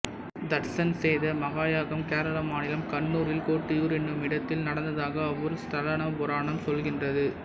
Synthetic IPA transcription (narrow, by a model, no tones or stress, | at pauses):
d̪ɐʈsɐnsɛjðɐmɐɣaːjaːɣɐmkeːɾɐlɐmaːnɪlɐmkɐɳːuːɾɪlkoːʈːɪjuːɾɛnːɯmɪɽɐt̪ːɪlnɐɽɐnd̪ɐðaːɣɐːʋːɔɾɯst̪ɐɾɐnɐbʊɾaːɳɐmsɔlɣɪndrɐðɯ